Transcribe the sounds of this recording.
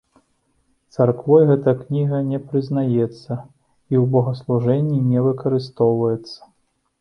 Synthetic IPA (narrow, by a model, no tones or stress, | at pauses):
t̪sarkvɔjɣɛt̪ɐknʲiɣɐnʲɛpɾɨznajɛt̪sːɐ | iwbɐɣɐslˠuʐɛnʲːinʲɛvɨkɐɾɨst̪ɔwvɐjɛt̪sːɐ̥